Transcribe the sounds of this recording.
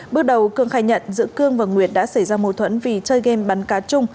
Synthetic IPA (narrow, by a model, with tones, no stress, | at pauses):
ɓɨ˦˥ək̚ɗə˨˩wkɨ˧əŋxaː˧˩jɲə̰˧˨nzɨ̰˧˥əkɨ˧əŋvaː˨˩ŋwi˨˩ət̚ɗa̰ː˧˥sa˧˩jzaː˧mo˨˩t̪ʰwə̰˧˥nvi˨˩t͡ɕəː˧jɣɛ˧mɓa˨˦nkaː˨˦t̚t͡ɕʊ˧ŋ͡m